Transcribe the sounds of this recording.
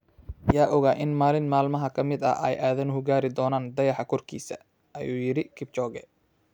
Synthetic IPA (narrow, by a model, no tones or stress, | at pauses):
jaːʔɔɣaːʔɪnmaːlɪnmaːlmɐɦɐkʰɐmɪd̪ɐ̰ɛ̰jʔaːðɐnhʊɡaːɾɪd̪ɔːnaːnd̪ɐjɑħɑkʰɔrkʰḭːsɐ̰ | ʔɐjuːjɪɾɪkʰɪb̚t͡ʃɔːɣɛ̰